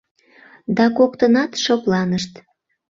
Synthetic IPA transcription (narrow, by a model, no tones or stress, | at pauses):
d̪ɑkokt̪ənɑt̪ʃoklɑnəʃt̪